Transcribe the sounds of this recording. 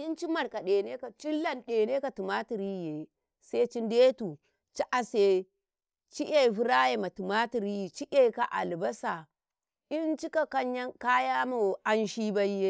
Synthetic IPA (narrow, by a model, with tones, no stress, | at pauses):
i˦nt͡ʃi˦ma˨ɾka˨ɗe˨ne˦ka˨t͡ʃi˦lːa˨nɗe˨ne˦ka˨tu˨ma˦ti˨ɾi˦˨je˨ | se˦t͡ʃi˦nde˦tu˨ | t͡ʃi˦ʔa˨se˨ | t͡ʃi˦ʔe˦˨vu˦ɾa˦je˨ma˨tu˨ma˦ti˨ɾi˦jt͡ʃi˦ʔe˦˨ka˨ʔa̰˨lba˦sa˨ | i˦nt͡ʃi˦ka˨ka˦ɲja˦ŋka˦ja˦mo˨ʔa˦nʃi˦ba˦je˦